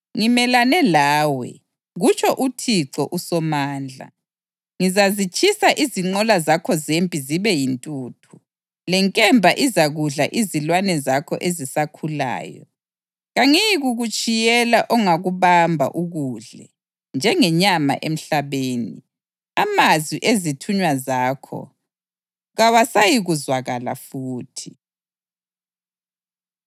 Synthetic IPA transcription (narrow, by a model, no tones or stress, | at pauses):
ŋimɛlanɛlaːwɛ̰ | ɣut͡ʃʰʼɔʔutʰiǁɔʔusɔmaːnd͡ɮʱa̰ | ŋizazit͡ʃʼʰisaʔiziŋ͡ǃɔlazakʰɔzempʼiziβɛjintʼuːtʰu | lɛŋkʼɛmbʱaʔizaɣuɮa̰ʔizilwanɛzakʰɔ̰ʔezisakʰula̰ːjɔ̰ | ɣaŋiɣuɣut͡ʃʼijɛlaʔɔŋaɣuβambʱa̰ʔuɣuɮɛ̰ | nd͡ʒʱɛŋɛɲama̰ʔem̩ɬaβeːni | amazwiʔezitʰuɲwazaːkʰɔ̰ | ɣawasajiɣuzwaɣala̰fuːtʰi